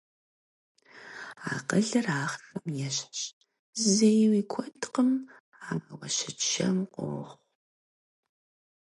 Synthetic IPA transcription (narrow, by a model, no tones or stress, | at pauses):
a̰ːqəɮɐraːχɬɨmjɛɕħɕ | zejwiːkʷʰɔtʰqəm | amɐwɐʃɪʃɐmqʷʼo̰ːχʷ